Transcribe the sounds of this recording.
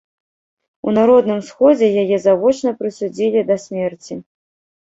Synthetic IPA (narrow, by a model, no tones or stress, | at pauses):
unaɾɔd̪nɨmsxɔd͡zʲɛjajɛzavɔt͡ʂnɐpɾɨsud͡zʲilʲid̪ɐsʲmʲɛrt͡sʲi